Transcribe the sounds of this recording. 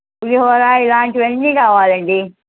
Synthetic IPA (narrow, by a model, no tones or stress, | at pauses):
uliɦɔːɾaːilaːɳʈiʋɐnːikaːʋaːlɐɳɖi